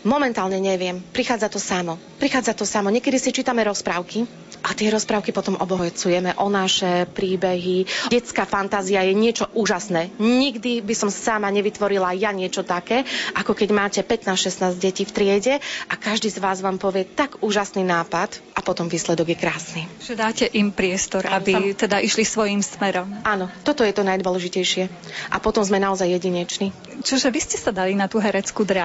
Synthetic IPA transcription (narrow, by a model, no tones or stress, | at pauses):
mɔmɛnt̪aːlɲɛɲɛʋɪɛmpɾixaːd͡zat̪ɔsamɔ | pɾixaːd͡zat̪ɔsamɔɲɪɛkɛd̪isit͡ʃiːt̪amɛɾɔspɾaʊki | ʔat̪ɪɛɾɔspɾaʊkipɔt̪ɔmʔɔbɔɦɔt͡sujɛmɛʔɔnaʃɛpɾiːbɛɦiɛt͡skafant̪aːziajɛɲɪɛt͡ʃɔʔuːʒasnɛːɲiɡd̪ibisɔmsamaɲɛʋit̪ʋɔɾilajaɲɪɛt͡ʃɔt̪akɛːʔakɔkɛɟmaːcɛpɛt̪naːsʃɛst̪naːzɟɟɛciːft̪ɾɪɛɟɛʔakaʒd̪iːzʋaːzʋaːmpɔʋɪɛt̪aɡuːʒasniːnaːpat̪ʔapɔt̪ɔmʋiːslɛd̪ɔɡjɛkɾaːsniʒ̥ɛd̪aːcɛʔimpɾɪɛst̪ɔɾabit̪ɛd̪aʔiʃlisʋɔjimsmɛɾɔmanɔt̪ɔt̪ɔjɛt̪ɔnajd̪ʋɔlɛʒicɛjʃɪɛ | ʔapɔt̪ɔmzmɛnaɔzajːɛɟiɲɛt͡ʃni | t͡ʃɔʒɛʋiscɛsad̪alinat̪uɦɛɾɛt͡skud̪ɾa